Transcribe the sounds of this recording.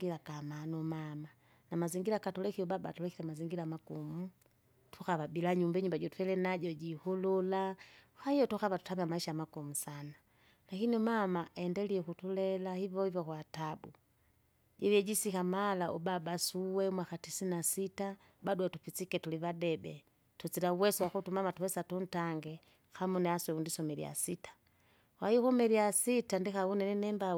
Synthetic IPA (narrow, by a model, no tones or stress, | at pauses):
ɡilakamanɔmama | namaziŋɡilakatulɛkiɔbabaːtulɛkilɛmaziŋɡilamakumu | tʰukaβabilaɲumbɛɲumbaɟɔtwɛlɛnaɟɔɟihululahahijɔtukavatu̥tamamaiʃamakumusana | lakiniumamaʔaɛndɛliɛkutulɛlahivɔhivɔkwatabu | d͡ʒɛβiɛd͡ʒisikamalaʔubabasuwɛmwaxatisinasita | baduɛtupit͡sikɛtuliβadɛbɛ | tut͡silauwɛswaxutumamatuwɛsatun̩taŋɡɛ | xamunɛaswɛundisɔmɛlḭa̰sitḁ | wajixumɛliasitandixaunɛnɛnɛmba